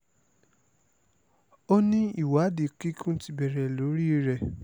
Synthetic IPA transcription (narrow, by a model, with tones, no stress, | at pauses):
o˦nĩ˦i˦˨wa˨˦di˨ki˦kũ˦ti˦bɛ˨ɾɛ˨lo˨˦ɾi˦˧˦ɾɛ˨